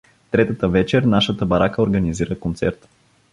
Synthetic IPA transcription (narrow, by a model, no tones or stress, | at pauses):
t̪ɾɛt̪ət̪əvɛt͡ʃɛɾnaʃət̪əbɐɾakəoɾɡəniziɾəkont̪sɛ̰ɾt̪